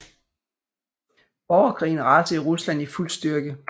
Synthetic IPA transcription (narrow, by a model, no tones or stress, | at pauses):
ɒʊɐkʰʁḭːn̩ʁɑ̈d̥əʁuslæn̰iful̰̥sd̥yɐɡ̥ə